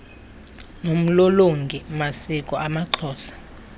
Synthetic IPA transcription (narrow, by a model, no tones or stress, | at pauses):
nom̩loloŋɡʱimasikʼɔamaǃʰɔːsḁ